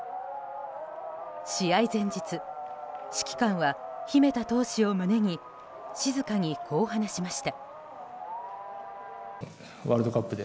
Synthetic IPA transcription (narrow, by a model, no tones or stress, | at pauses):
ɕiaizẽ̞ɲ̟d͡ʑit͡sɨ | ɕi̥kʲi̥kãɰ̃βaçime̞t̪at̪o̞ːɕio̞mɯ̟ne̞ɲ̟i | ɕizɨkaɲ̟ikʰo̞ːɦanaɕimaɕi̥t̪a | βaːɾɯd̪o̞kapːɯd̪e